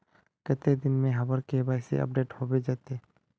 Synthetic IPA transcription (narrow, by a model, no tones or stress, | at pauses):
kət̪ed̪ɪnmẽɦəbəɾkebaːɪsḛʔɐ̰p̚ɖeːʈhoːbed͡ʒaːt̪eː